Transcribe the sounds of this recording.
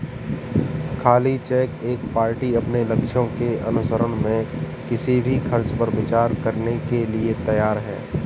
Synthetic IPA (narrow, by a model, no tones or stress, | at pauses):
kʰaːlit͡ʃɛːkeːk̚paːɾʈiɐpnelɐkʃõkeɐ̰nʊsəɾəɽ̃mẽ | kɪsibʱixʰɐɾt͡ʃpəɾbɪt͡ʃaːɾkɐɾnekeliet̪ɐjaːɾɦɛ̰ː